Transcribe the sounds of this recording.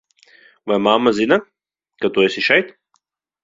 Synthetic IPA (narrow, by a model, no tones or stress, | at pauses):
vajmamːazina | kat̪uɛsʲiʃɛjt̪